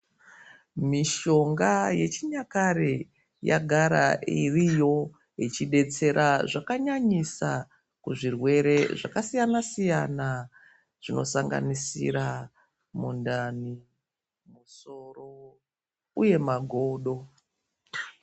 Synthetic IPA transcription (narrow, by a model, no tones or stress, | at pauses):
miʃo̞ŋɡaje̞t͡ʃiɲakaɾe | ja̰ɡʱaɾa̰ʔirijo̞ | it͡ʃiɗe̞t͡se̞ɾʔaʐakaɲaɲisa | kuʐirwe̞ɾe̞ʐakasijanasijana | ʐ̥ino̞saŋɡa̰nisḭɾa | mundani | muso̞ro | uje̞maɡʱoːɗo̞